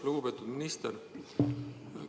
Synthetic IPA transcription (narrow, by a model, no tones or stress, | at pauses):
luɡ̥upe̞ːt̪ːˑud̪minist̪eɾ